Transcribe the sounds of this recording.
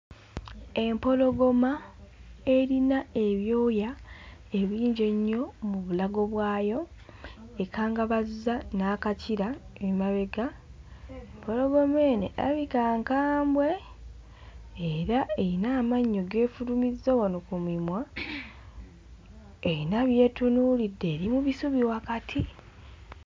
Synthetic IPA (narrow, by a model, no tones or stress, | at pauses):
e̞mpo̞lo̞ɡoma | eɾinae̞βjo̞ːjae̞βiːɲɟe̞ɲːo̞muβulaɡo̞βwaːjo̞ | ekaːŋɡaβazanaːkaciɾaemaβe̞ɡa | βoloβwe̞mwe̞ːnḛʔa̰βikaːŋkaːmbwe̞ | eɾaeinaːmaɲːo̞ɡe̞ːfuɾumizːowanokumimwa | einaβje̞ːtunuːlidːe̞ːɾimuβisuβiwakatʰi